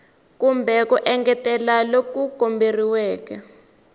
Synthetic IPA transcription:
kumbʱɛkuʔɛŋɡɛtɛlalokuɡ̥ʱomberiwɛːkɛ

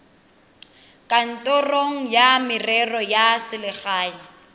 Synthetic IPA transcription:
kʼan̩tʼɔroŋ̩jamɪrɛrɔjasɪlɪχaːji

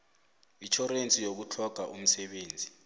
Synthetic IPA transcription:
it͡ʃʰɔrent͡sʼijok̬ut͡ɬʰɔɡ̥ʱaʔum̩sɛɓeːnd͡zʱi

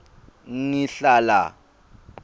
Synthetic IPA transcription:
ŋŋiɬala̰

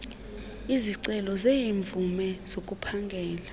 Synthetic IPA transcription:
iziǀɛlɔzeiɱvumɛz̥okʼupʰaŋɡʱɛːla

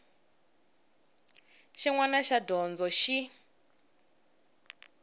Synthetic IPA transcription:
ʃiŋwanaʃadɔnd͡zɔʃi

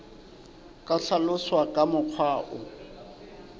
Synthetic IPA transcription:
kʼaɬalʊswakʼamʊq͡χʰwaːʔʊ

